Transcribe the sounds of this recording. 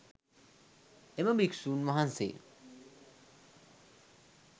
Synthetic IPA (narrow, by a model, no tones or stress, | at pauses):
emabiksunmɔɦansḛ